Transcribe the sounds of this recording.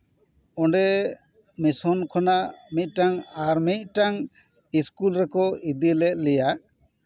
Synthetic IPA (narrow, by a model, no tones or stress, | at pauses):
ɔɳɖɛ | misɔnkʰɔnaʔmit̪̚ˀʈaŋaɾmit̪̚ˀʈaŋ | iskulɾɛkɔid̪ilɛt̪̚ˀlɛjaʔ